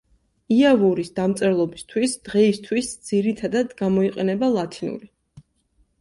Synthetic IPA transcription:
iavuɾisd̪amt̪sʼɛɾlˠɔbist̪ʰwisd̪̥ʁɛist̪ʰwisd̪z̥iɾit̪ʰad̪ad̪ɡamɔiqʼɛnɛbalˠat̪ʰinṵɾi

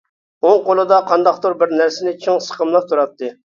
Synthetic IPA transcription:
oŋqolˠɨd̪ɑqʰɑnd̪ɑqt̪oɾbɪɾnæɾsɪnɪt͡ʃʰiŋsə̥qəmlˠəq̚t̪ʰuɾɑt̪ʰːɨ

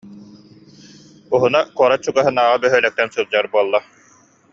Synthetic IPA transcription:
uɦunakuɔɾat͡ɕuɡaɦɯnaːʁabœɦœːlɛk̚t̪ɛnsɯlˠd͡ʑaɾbuɔlˠːa

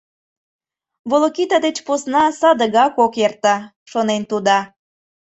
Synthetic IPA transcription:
βolokit̪ɑd̪et͡ɕposnɑsɑd̪əɣɑkokert̪ɑ | ʃonent̪ud̪ɑ

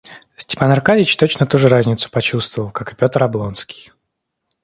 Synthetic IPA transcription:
sʲtʲɪ̥panɐrkavʲɪt͡ɕt̪ot͡ɕnət̪uʐɨɾazʲnʲɪt̪sʊ̥pɐt͡ɕust̪vəvəlˠkakɨ̥pʲo̞t̪əɾɐblˠo̞nskʲi̥j

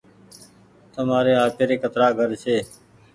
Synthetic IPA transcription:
t̪əmaːɾeːɦaːpeːɾeːkət̪ɾaːɡʱəɾt͡ʃʰeː

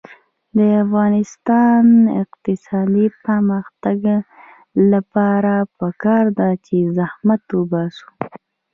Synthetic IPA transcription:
d̪əafɣɑnɪst̪ɑnɪ̰qt̪ɪsɑd̪ipəɾməxt̪aɡ | lapɑɾapəkɑɾd̪at͡ʃezahmat̪ubɑsu̥

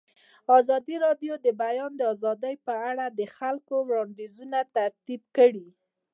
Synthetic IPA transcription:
ɑzɑd̪iɾɑɖjod̪əbajɑnd̪əɑzɑd̪əjpəaɽad̪əxalkowɽɑnd̪ezunat̪aɾt̪ib̚kəɽi

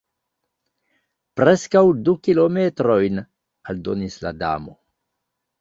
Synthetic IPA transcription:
pɾeskawdukilo̞metɾo̞jn | aldo̞nisla̰da̰mo̞

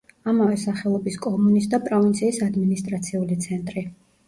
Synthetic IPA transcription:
amavɛsaχɛlˠɔbiskʼɔmunisd̪apʼɾɔvint̪sʰiːsad̪minist̪ʼɾat̪sʰiulit̪sʰɛnt̪ʼɾi

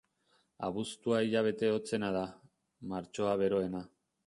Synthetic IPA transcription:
a̰βust̪uaiʎaβ̞e̞t̪e̞o̞t͡se̞nað̞a | maɾt͡ʃo̞aβe̞ɾo̞e̞na

